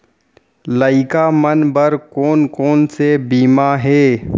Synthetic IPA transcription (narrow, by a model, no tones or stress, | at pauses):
ləɪkamənbəɾkoːnkoːnsebiːmaɦɛː